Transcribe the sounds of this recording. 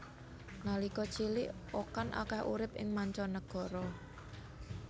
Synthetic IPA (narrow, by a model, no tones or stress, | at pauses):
ŋalikɔt͡ʃilɪʔokanʔa̰kahʔṵɾɪpɪ̰ŋmaɲt͡ʃɔnəɡ̥ɔ̤ɾɔ